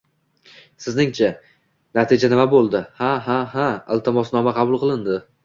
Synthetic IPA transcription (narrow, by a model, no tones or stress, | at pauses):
sɪznɪŋt͡ʃʰa | nat̪ʰɪd͡ʒanɪmabolˠd̪ɪhaɦaɦaa̰lˠt̪ʰamɒsnɒmaqʰɑbʊlˠqʰɨlˠɪnd̪ɪ